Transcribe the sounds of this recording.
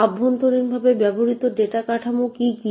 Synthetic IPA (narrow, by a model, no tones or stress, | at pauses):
abʱːont̪oɾinbʱabebɛboɾit̪oɖeʈakaʈʰamokiki